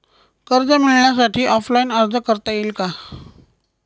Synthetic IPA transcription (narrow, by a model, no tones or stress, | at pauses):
kəɾd͡zəmiɭɳjasaʈʰiːʔɔflaiːnəɾd͡zəkəɾt̪ajiːlka